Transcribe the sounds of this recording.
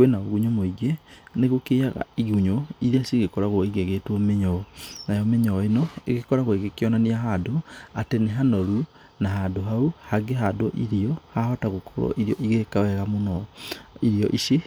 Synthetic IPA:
kwenaoɣuɲomoiɡeneɣokeaɣa̰iɣuɲoiɾiasiɣekɔɾaɣwɔiɣeɣetwɔmeɲɔɔnajɔmeɲɔɔenɔḛɣekɔɾaɣwoeɣekeɔnaniaɦadoateneɦanɔɾu | naɦadoɦauhaɡeɦadɔʔiɾiɔhahɔtaɣokʰoɾɔ̰ʔiɾiɔʔiɣekawɛɣamonɔiɾiɔʔiʃe

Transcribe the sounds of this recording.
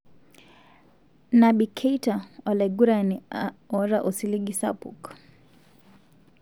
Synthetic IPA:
nabikʰɛjtaɔlɛɡuɾaniɔɾaʔɔsiliɡisa̰pṵk

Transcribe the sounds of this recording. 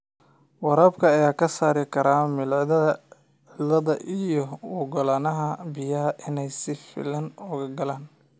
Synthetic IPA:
wɑɾaːbkʰɐːjaːkʰɐsaːɾɪkʰɐɾaːmɪlðɐ | lɐðɐʔijɔwɔɡɔlaːnɐɦɐbɪjɐɦɐʔɪnɛjsɪfɪ̰lɐnɔːɣɐɡɐlaːn

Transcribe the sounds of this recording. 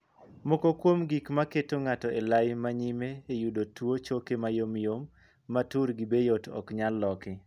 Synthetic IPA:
mokokwomɡikmaketoŋatɔʔelajmaɲimeːjudotwot͡ʃokemajomjomː | atuɾɡibejotɔ̰kɲalːɔkɪ

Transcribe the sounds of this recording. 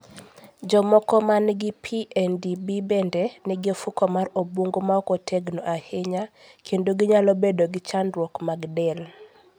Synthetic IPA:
d͡ʒɔmɔkɔmanɡipʰiʔɛndibibɛndɛnɛɡɪofukɔmarobuŋɡomaɔkotʰeɡnoʔaheɲakʰendoɡɪɲalɔbedoɡɪt͡ʃandwɔkmaɡdɛl

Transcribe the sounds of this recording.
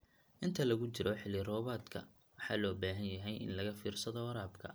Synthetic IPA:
ʔɪnt̪ʰɐlɐɣʊt͡ʃɪɾʔɔħɪlɪrɔːβaːd̪kʰɐ̰ | wɑħɑːlɔːbaːɦɐnjɐɦɛjʔɪ̰nlɐɣɐfiːrsɐðɔɾaːbkʰɐ̰

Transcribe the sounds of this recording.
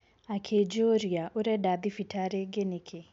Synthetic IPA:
akʰed͡ʒoɾjaʔoɾɛdad̪ifitʰaɾeɡenekʰe

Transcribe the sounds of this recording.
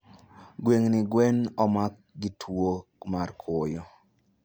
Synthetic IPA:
ɡweŋnɪɡwɛnɔmak | ɡɪtʰwomarkʰʊjɔ

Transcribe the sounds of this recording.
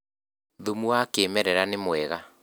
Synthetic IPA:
ðomuakeːmɛɾɛɾanemwɛɣa

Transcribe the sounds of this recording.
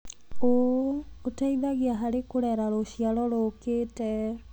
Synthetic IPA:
oː | taiðaɣeaɦaɾekoɾɛɾaɾoɕialɔɾoketɛ

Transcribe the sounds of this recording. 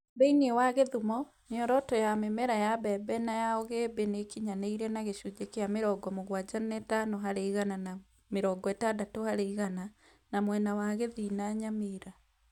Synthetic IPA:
bɛiniewaɣeðumɔ | neɔɾɔtɔjamemɛɾajabɛbɛnajaɔɣebenekiɲaneiɾɛnaɣeʃud͡ʒekeameɾɔɡɔmoɣwad͡ʑanɛtanoɦaɾeiɣanana | meɾɔɡɔɛtadatohaɾeiɣana | namwɛnawaɣeðinaɲameɾa

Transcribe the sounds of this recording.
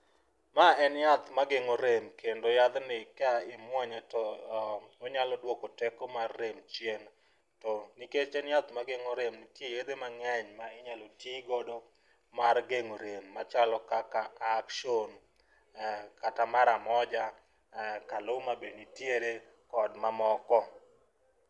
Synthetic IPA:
maɛnjat̪maɡeŋoɾemkʰendojad̪nɪkaɪmwɔɲatɔ | oɲalɔdwokotekɔmarːemt͡ʃjen | tɔniket͡ʃɛnjat̪maɡeŋoɾemnɪtjejed̪emaŋɛɲmaɪɲalotiɡodo | maɾɡeŋoɾemːat͡ʃalɔkakaːkʃon | katamaɾamɔd͡ʒa | kalomabenitjeɾe | kɔdmamɔkɔ

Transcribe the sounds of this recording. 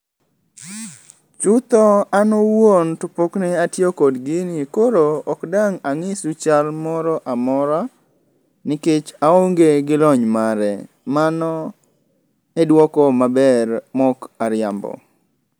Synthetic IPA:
t͡ʃʊt̪ɔanowontʊpoknɛatjokodɡɪnkoɾoːkdaŋaŋɪsut͡ʃalmɔɾɔʔamɔɾa | nɪket͡ʃaoŋɡeɡɪlɔɲmaɾɛ̰ | manɔ | edwɔkɔmabɛrmɔkaɾɪambɔ̰

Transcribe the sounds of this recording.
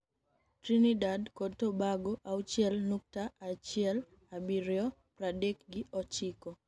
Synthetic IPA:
tɾinidadkotobaɡoʔaut͡ʃjɛlnuk̚taːt͡ʃɪɛl | abiɾjɔpɾadekɡiɔt͡ʃikɔ

